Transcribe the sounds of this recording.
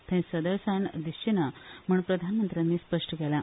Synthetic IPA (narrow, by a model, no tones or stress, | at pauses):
t̪ʰɛ̃səd̪əɾsaɳd̪iɕt͡ɕinam̤əːpɾəd̪ʱanmənt̪ɾʲjanːiːspəʂʈəkɛlã